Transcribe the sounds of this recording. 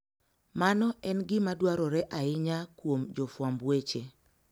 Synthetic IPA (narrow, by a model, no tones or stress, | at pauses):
manɔʔɛnɡɪmadwaɾɔɾɛʔaɪɲakwomd͡ʒɔfwambwet͡ʃe